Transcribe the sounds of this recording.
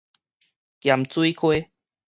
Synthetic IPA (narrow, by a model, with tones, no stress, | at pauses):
kja˨mt͡su˦i˦kʰwe˦